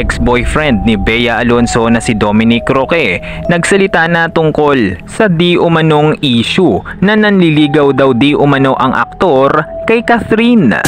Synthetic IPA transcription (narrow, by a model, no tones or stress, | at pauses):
ɛksbojfɾɛnd̪̚nibɛjɐʔɐlo̞nso̞nɐsɪd̪o̞mɪnɪkɾokɛnɐɡsɐlɪt̪anɐt̪ʊŋko̞lsɐd̪iʔʊmɐno̞ŋʔiːʃʊnɐnɐnliliːɡɐwd̪ɐwd̪iʔʊmɐno̞ʔɐŋʔɐ̰k̚t̪o̞ɾkɐjkɐθɾin